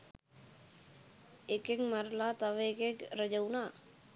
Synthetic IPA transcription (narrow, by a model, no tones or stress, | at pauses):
ekekməɾlat̪aʋekekɾəd͡ʒəwna